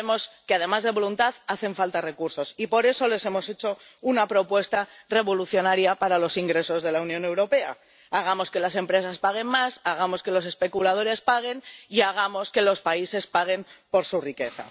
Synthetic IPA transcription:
emo̞skeað̞e̞mazðe̞βo̞lunt̪aðaθe̞ɱfalt̪are̞kuɾso̞sipo̞ɾe̞so̞le̞se̞mo̞se̞t͡ʃo̞ | unapɾo̞pwe̞st̪are̞βo̞luθjo̞naɾjapaɾalo̞siŋɡɾe̞so̞zðe̞launjone̞wɾo̞pe̞a̰ | aɣ̞amo̞ske̞las̬e̞mpɾe̞saspaɣ̞e̞nmasaɣ̞amo̞ske̞lo̞se̞spe̞kulað̞o̞ɾe̞spaɣ̞e̞niaɣ̞amo̞ske̞lo̞spaise̞spaɣ̞e̞mpo̞ɾsurike̞θa̰

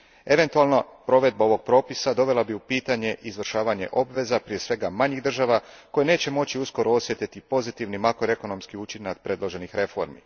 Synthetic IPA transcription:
e̞ʋe̞nt̪ualˠnapɾo̞ʋe̞d̪̚bao̞ʋo̞ɡ̚pɾo̞ːpisad̪o̞ʋe̞lˠabiupiːt̪aɲe̞ʔizʋr̩ʃaːʋaɲe̞̰ʔo̞bʋe̞zapɾije̞sʋe̞ɡamaɲiɣd̪r̩ʒaʋako̞jeneːt͡ɕe̞mo̞t͡ɕiusko̞ɾʔoosjet̪it̪ipo̞zit̪iʋnimakɾoe̞kono̞mskiut͡ʃinakpɾe̞d̪lˠo̞ʒe̞nixɾe̞fo̞̰ɾmḭ

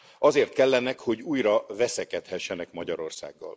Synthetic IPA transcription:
ɒzeːrt̪̚kɛlːɛnɛkho̞ɟuːjrɒvɛsɛkɛt̪hɛʃːɛnɛkmɒɟɒɾo̞rsa̰ːɡːɒ̰l

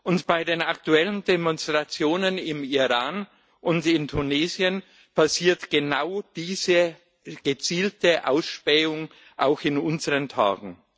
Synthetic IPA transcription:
ʔʊntb̥aɪdeːnaktuɛləndɛmɔnstʁ̥at͡sjoːnənɪmiʁaːn | ʔʊntɪntʰuneːzjən | pʰasiːɐtɡ̥ənaʊd̥iːzə | ɡ̥ət͡siːltəʔa̰ʊsʃpɛːʊŋ | ʔaʊxɪnʊnzəʁəntʰa̰ːɡŋ̩

